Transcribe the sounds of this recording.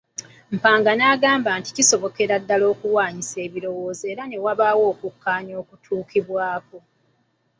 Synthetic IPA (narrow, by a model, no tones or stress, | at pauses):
m̩paːŋɡanaɡaːmbaːnti̥ciso̞βo̞ke̞ɾadːalo̞ːkuwaːɲise̞ːβiɾo̞wo̞ːzeːɾane̞waβawo̞ːkukːaːɲo̞ːkutʰuːkiβwaːko̞